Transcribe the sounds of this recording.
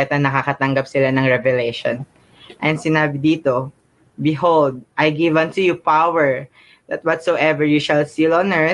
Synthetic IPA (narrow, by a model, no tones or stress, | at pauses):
ɛt̪ɐnɐkakɐt̪ɐŋɡɐp̚sɪlanɐŋɹɛvɛlɛjʃo̰n | ʔɛnsɪnaːbɪd̪iːt̪o | bɪɦold̪̚ʔajɡɪvɐ̃nt̪ʊjupawɛɹ | ðɐt̪̚wɔt̪soʔɛvɛɹjuʃɐlsilɔnɛ